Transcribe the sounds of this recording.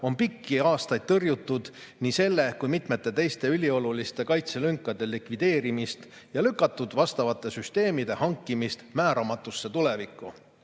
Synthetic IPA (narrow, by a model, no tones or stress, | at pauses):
o̞npikːiɑːst̪ɑjd̪̚t̪ɤrjut̪ːud̪̥nise̞lːe̞kujmit̪me̞t̪ːˑe̞t̪e̞jst̪e̞ylʲio̞lulist̪e̞kɑjt̪se̞lyŋkˑːɑd̪̥e̞likvid̪e̞ːɾimist̪ | jɑlykːˑɑt̪ːˑud̪̥vɑst̪ɑvɑt̪ːˑe̞syst̪e̞ːmid̪̥e̞hɑŋkːimist̪mæːɾɑmɑt̪ːˑusːe̞t̪ulevikːˑu